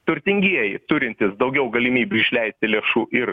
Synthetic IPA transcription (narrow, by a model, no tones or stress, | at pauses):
t̪ʊɾʲt̪ʲɪŋʲɡʲiɛjɪt̪ʊɾʲɪnʲt̪ʲɪsd̪ɒʊɡʲɛʊɡɐlʲɪmʲiːbʲʊɪʃʲlʲɛɪsʲt̪ʲɪlʲeːʃuːʔɪɾ